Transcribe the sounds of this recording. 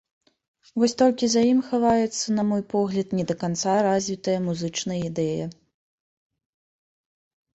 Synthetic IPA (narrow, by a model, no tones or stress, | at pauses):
vɔsʲt̪ɔlʲkʲizajimxavajɛt̪sːɐnɐmɔjpɔɣlʲɐt̪nʲɛd̪ɐkant̪saɾazʲvʲit̪ɐjɐmuzɨt͡ʂnɐjəid̪ɛjɐ